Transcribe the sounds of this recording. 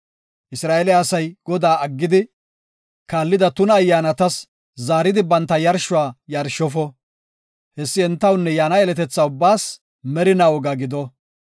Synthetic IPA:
ʔɪsɾaːʔɛljːsɐjɡ̥ɔd̪aːʔɐɡːɪd̪ɪ | kaːlːɪd̪ɐt̪ʊnɐːjːaːnɐt̪ɐs | zaːɾɪd̪ɪbɐnt̪ːɐjɐɾʃʊaːjɐɾʃɔfɔ | hɛsːɪɛnt̪ːɐwnːɛjaːnɐɛlɛt̪ɛt͡sːɐʊbːaːs | mɛɾɪnawɔɡɐɡɪd̪ɔ

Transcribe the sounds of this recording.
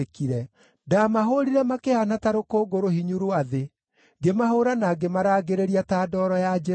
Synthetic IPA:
kiɾɛ | damaɦoɾiɾɛmakehanataɾokoːɡoɾohiɲuɾoaðe | ɡemahoɾanaɡemaɾaːɡeɾeɾiataːdɔːɾɔjad͡ʒɛ

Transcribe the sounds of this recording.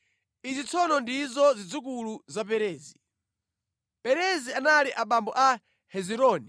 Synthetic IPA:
izit͡sʰɔnɔndizɔzid͡zuk̬uluzap̬ɛɾɛːzi | pɛɾɛzianaliʔaɓambɔʔa | hɛziɾɔːni

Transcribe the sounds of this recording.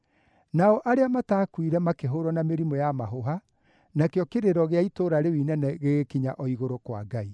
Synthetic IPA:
naɔʔaɾeamataːkwiɾɛmakeɦoɾɔnameɾimɔjamaɦoɦa | nakjɔkeɾeɾɔɣeaitoɾaɾewinɛnɛɣeɣekiɲaʔɔiɣoɾokwa̰ɡai

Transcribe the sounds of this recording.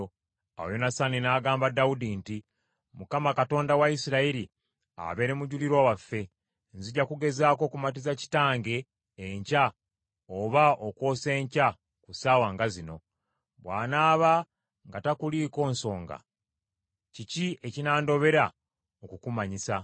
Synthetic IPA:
a̰wojonasaninaːɡaːmbadaudinti | mukamakato̞ːndawaisiɾaiɾi | a̰βe̞ɾe̞muɟuliɾwawafːe̞ | nziɟakuɡe̞zaːko̞ːkumat̬izaci̥taːŋɡe̞ː | ɲca | oβaoko̞ːse̞ːɲca | kusaːwaŋɡazino̞ | βwa̰ːnaːβa | ŋɡatakuliːko̞ːnso̞ːŋɡa̰ | cicie̞cinaːndo̞βe̞ɾa | okukumaɲisa

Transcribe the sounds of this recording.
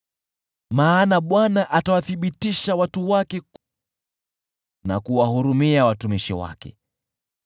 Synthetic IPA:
maːnaɓwanaʔatawaθiɓitiʃawatuwakɛk | na̰kuwahuɾumiawatumiʃiwa̰kɛ̰

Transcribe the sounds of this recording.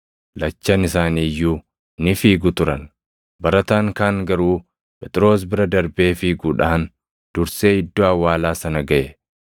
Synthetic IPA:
lɐt͡ʃːɐnɪsaːniːjːu | nɪfiːɡʊt̪ʊɾɐn | bɐɾɐt̪aːŋkaːŋɡɐɾuː | pɛt̪ʼɪɾo̞ːs̬bɪɾɐd̪ɐɾbe̞ːfɪːɡʊᶑaɐn | d̪̥ʊɾse̞ːɪd̪ːoɐwaːlaːsɐnɐɡɐʔɛ

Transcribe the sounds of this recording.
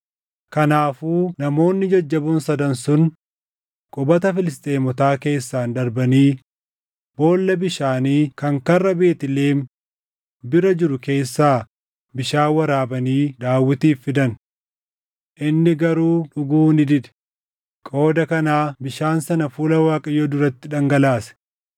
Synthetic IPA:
kɐnaːfuːnɐmo̞ːnːɪd͡ʒɐd͡ʒːɐbunsɐd̪ɐnsʊn | kʼʊbɐt̪ɐfɪlɪs̬t̪ʼe̞ːmɔt̪aːke̞ːsːaːnd̪ɐɾbɐniː | bo̞ːlːɐbɪʃaːniːkɐŋkɐrːɐbe̞ːt̪ɪle̞ːn | bɪɾɐd͡ʒɪɾʊke̞ːsːaː | bɪʃaːwɐɾaːbɐniːd̪aːwːɪt̪iːfːɪd̪ɐn | ʔɪnːɪɡɐɾuːᶑʊɡuːnɪd̪ɪᶑ̪ɛ̥ | kʼo̞ːd̪ɐkɐnaːbɪʃaːnsɐnɐfuːlɐwaːkʼɐjɔd̪ʊɾɐt̪ːɪᶑɐŋɡɐlaːsɛ̥

